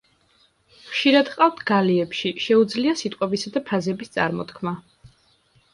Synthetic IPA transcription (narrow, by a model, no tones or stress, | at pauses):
χʃiɾad̪qʼaft̪ʰɡaliɛpʃiʃɛud̪zliasit̪ʼqʼwɛbisad̪apʰazɛbist̪sʼa̰ɾmɔt̪kʰma